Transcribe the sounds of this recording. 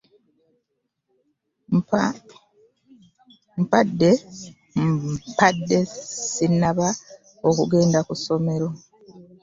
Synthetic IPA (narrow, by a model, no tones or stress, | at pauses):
mpadːe̞ | padːe̞sinːaβa | o̞kuɡe̞ːndakuso̞me̞ɾo̞